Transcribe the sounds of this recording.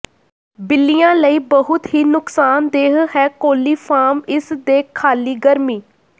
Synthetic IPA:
bɪlːijãːləiːbəɦʊt̪ɦiːnʊksaːnd̪eːɦɦɛːkoːliːpʰaːmɪsd̪eːkʰːaːliːɡəɾmiː

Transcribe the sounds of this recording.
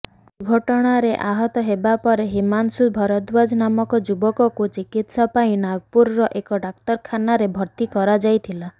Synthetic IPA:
ɡʱɔʈɔɽ̃aɾeʔaɦɔt̪ɔɦebapɔɾeɦimansubʱɔɾɔd̪bad͡ʒnamɔkɔd͡ʒubɔkɔkut͡ʃikit̪sɔpaĩnaɡɔpuɾːɔʔekɔɖak̚t̪ɔɾkʰanaɾebʱɔɾt̪ikɔɾad͡ʒajt̪ʰila

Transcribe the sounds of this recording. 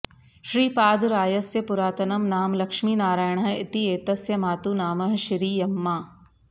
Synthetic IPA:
ʃɾiːpaːd̪ɾaːjɐsjɐpʊɾaːt̪ɐnɐmnaːmlɐkʃmiːnaːɾaːjəɳ̃ɐɪt̪ieːt̪ɐsjɐmaːt̪unaːmɐɦʃiɾiːjɐmːaː

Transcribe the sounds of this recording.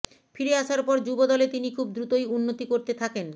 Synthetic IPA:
fiɾeaʃaɾpɔɾd͡ʑubod̪ɔlet̪inikʰub̚d̪ɾut̪ojunːot̪ikoɾt̪et̪ʰaken

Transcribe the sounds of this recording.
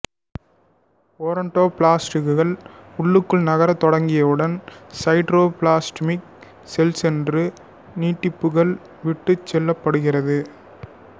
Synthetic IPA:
oːɾɐɳʈoːpɭaːsʈɪkːɯɣɐɭʊɭːɯkːɯɭnɐɣɐɾɐt̪ːɔɽɐŋɡɪjɐʋɯɽɐnsɐɪʈɾoːpɭaːsʈmɪk̚ | sɛlsɛndrɯ | niːʈːɪpːɯɣɐɭ | ʋɪʈːɯt͡ʃːɛlːɐpːɐɽɯɣɪrɐðɯ

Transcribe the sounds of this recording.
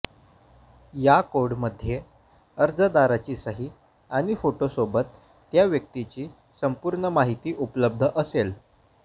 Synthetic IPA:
jakoɾɽməd̪ʱːje | əɾd͡zəd̪aɾat͡ɕiːsəɦiː | aɽ̃ifoʈosobət̪ː | jaʋjək̚t̪it͡ɕiː | səmpuɾɳəmaɦit̪iːʔupləb̚d̪ʱəʔəsel

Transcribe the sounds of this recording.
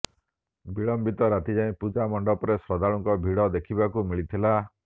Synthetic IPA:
biɭɔmbit̪ɔɾat̪id͡ʒaĩpud͡ʒamɔɳɖɔpɔɾesɾɔd̪aɭɔŋkɔbʱiɽɔd̪ekʰibakumiɭit̪ʰila

